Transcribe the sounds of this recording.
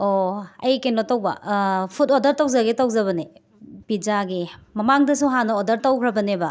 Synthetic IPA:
oɐ̰jkenotɐwbɐ̰pʰutodɐɾtɐwzɐɡetɐwzɐβɐni | b̥id͡ʒaɡimɐmaŋdɐsuɦanɐodɐɾtɐwkʰɾɐbɐnebɐ

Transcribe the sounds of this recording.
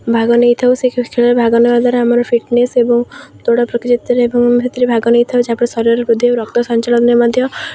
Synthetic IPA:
bʱaɡɔnejt̪ʰawsekkʰeɭɔɾebʱaɡɔnebad̪aɾamɔɾɔfʰiʈnesebɔŋt̪oɽapɾɔkt͡ʃit̪ɔɾeebɔŋset̪iɾebʱaɡɔnejt̪ʰawd͡ʒeapɔɽ̃esɔɾijɔɾebud̪ʱːjewɾɔk̚t̪ɔsɔnt͡ʃalɔnnemɔd̪ʱjɔ

